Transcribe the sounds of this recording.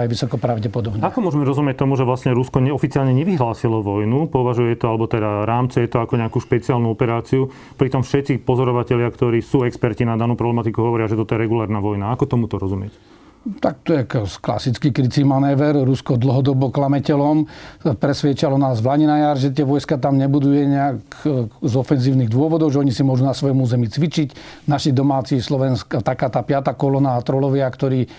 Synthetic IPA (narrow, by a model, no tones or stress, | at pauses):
ajʋisɔkɔpɾaʊɟɛpɔd̪ɔbnɲɛakɔmʊɔʒɛmɛɾɔzumɪɛc̚t̪ɔmuʒɛʋlastɲɛɾuskɔɲɛɔfit͡siaːlɲɛɲɛʋiɦlaːsilɔʋɔjnupɔʋaʒujɛt̪ɔalɛbɔt̪ɛd̪aɾaːmt͡sɛjɛt̪ɔakɔɲɛakuːʃpɛt͡siaːlnuɔpɛɾaːt͡siu | pɾit̪ɔmfʃɛt̪t͡sipɔzɔɾɔʋacɛʎɪakt̪ɔɾiːsuːɛkspɛɾcinad̪anuːpɾɔblɛmat̪ikuɦɔʋɔɾɪaʒɛt̪ɔt̪ɔjɛɾɛɡulaːɾnaʋɔjnaakɔt̪ɔmut̪ɔɾɔzumɪɛc | t̪ak̚t̪ɔjɛkskla̰sit͡skikɾit͡simanɛːʋɛɾɾuskɔd̪l̩ɦɔd̪ɔbɔklamɛcɛlɔmpɾɛsʋjɛt͡ʃalɔnaːzʋlaɲinajaɾʒɛt̪̬ɪɛʋɔjskat̪amɲɛbud̪ujɛɲɛakzɔfɛnziːʊniɣd̪ʊɔʋɔd̪ɔʊʒɛɔɲisimʊɔʒunasʋɔjɔmuːzɛmit͡sʋit͡ʃic | naʃiɣd̪ɔmaːt͡sislɔʋɛnskat̪akaːt̪aːpɪat̪aːkɔlɔnaːt̪ɾɔlɔʋɪakt̪ɔɾiː